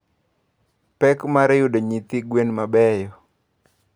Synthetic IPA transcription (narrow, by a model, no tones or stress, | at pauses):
pɛkmaɾɪjudɔɲit̪iɡwenmabɛjɔ